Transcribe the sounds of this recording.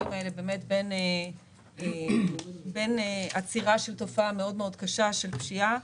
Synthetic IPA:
imaelebeːme̞tbe̞ne | be̞neat͡siʁaʃelto̞faameo̞dmeo̞dkaʃaʃe̞lpʃia

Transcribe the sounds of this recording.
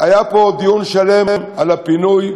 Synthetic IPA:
ajapod̪ijunʃale̞mmalapinuj

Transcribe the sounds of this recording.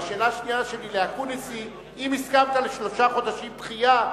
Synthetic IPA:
ʃe̞ːlaʃniaʃelileakunisi | imiskamt̪aleʃlo̞ʃaχo̞d̪aʃimtχija

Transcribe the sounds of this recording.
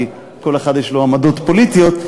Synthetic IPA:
i | ko̞leχad̪jeʃloamad̪o̞t̪po̞lit̪ijo̞t̪

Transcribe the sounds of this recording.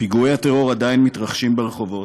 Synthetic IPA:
piɡuehat̪e̞ʁo̞ʁad̪ainmit̪ʁaχʃimbeʁeχo̞vo̞t

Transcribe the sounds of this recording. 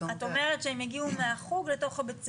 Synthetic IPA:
ato̞me̞ʁetʃeemjaɡiumeaχuɡle̞to̞χabet͡s

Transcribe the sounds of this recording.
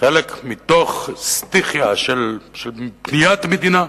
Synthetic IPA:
χelekmit̪oχst̪iχjaʃelʃelpnijat̪med̪ina

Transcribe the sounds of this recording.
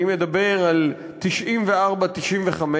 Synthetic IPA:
imed̪abe̞ʁal | t̪iʃʔimveaʁbat̪iʃʔimveχame

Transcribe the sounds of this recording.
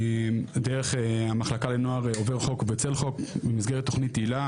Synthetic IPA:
deʁeχeamaχlakalenoaʁoveʁχo̞kbet͡se̞lχo̞kbemizɡeʁet̪ːoχnitːeila

